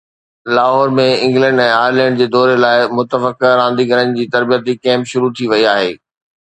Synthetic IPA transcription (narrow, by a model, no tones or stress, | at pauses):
laːɦɔːɾmẽɪ̃ŋɡlɛ̃ɳɖɛ̃ːaːɾlɛ̃ːəɳɖd͡ʑeːd̪ɔːɾelaːɪmʊt̪əfəkɾãːnd̪iɡʱəɾənɪ̆d͡ʑiːt̪ɐɾbijət̪ikɛ̃ːmpʃʊɾut̪ʰiʋɐiaːɦeː